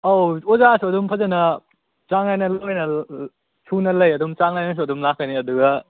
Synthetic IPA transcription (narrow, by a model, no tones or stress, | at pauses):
owozasuɐdumpʰɐzɐnɐ | t͡ʃaŋlajnɐlwjnɐ | sʰunɐlɐjɐdumt͡ʃaŋlajnɐs̬uɐdumlakːɐniɐduɡɐ